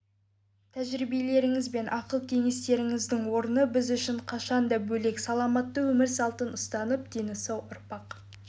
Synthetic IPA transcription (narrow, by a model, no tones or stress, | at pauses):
t̪ʰæʒɾibe̞le̞ɾɪŋɪzbe̞nʔɑqəlˠkʲʰe̞ŋe̞st̪e̞ɾɪŋɪzd̪ɪŋwo̞ɾənəbɪzʏʃɪɴqʰɑʃɑnd̪ɑbɵle̞ksɑlˠɑmɑt̪ːəwɵmɪɾsɑlˠt̪ənʊst̪ɑnəp̚d̪enɪsɑwʊɾpɑq